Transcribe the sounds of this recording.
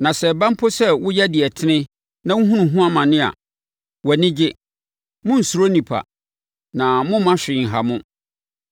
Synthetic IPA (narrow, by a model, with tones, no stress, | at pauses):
nã˨sɛ˨bã˦m˦pʰo˦sɛ˦wʊ˦jɛ˦dɪ˨ɛ˨tʰɪ˦nɪ̃˦ | nã˦ŋʊ̃˦ɦũ˦nũ˨ɦũ˦a˦mã˨nɪ̃˦a̰˨ | wɛ˨nɪ̃˦d͡ʑɪ˦ | mʊ̃˦n̩˨su˨ɾo˦nĩ˨pʰa̰˨ | nã˨mʊ̃˦mã˦ɕᶣɪ̃˨ŋ̩˨ɦa˨mʊ̃˦